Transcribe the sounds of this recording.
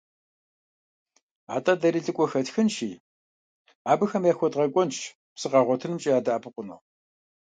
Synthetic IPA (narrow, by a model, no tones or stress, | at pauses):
a̰ːtʼɐdɐɾiːɮɨkʷʼɔxɐtxɨnʃiː | aːbɨxɐmjaːxʷɔdʁɐkʷʼɔnt͡ʃʰ | psɨqɑːʁʷɔtʰɨnɨmt͡ʃʼiaːdaʔaːpʰɨqʷʊno̰ː